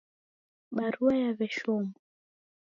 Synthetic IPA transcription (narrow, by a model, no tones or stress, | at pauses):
ɓaɾuwajavɛʃɔmbɔ